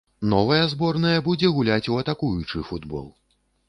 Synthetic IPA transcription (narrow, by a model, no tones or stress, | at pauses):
nɔvɐjɐzbɔrnɐjɐbud͡zʲɛɣulʲat͡sʲuɐt̪akujut͡ʂɨfud̪bɔ̰lˠ